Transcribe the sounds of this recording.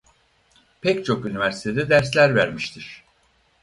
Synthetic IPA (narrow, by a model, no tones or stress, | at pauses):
pʰɛct͡ʃʰo̞kynivæɾsi̥t̪ʰed̪ɛd̪æɾslʲæɾvæɾmiʃt̪ʰiɾ̥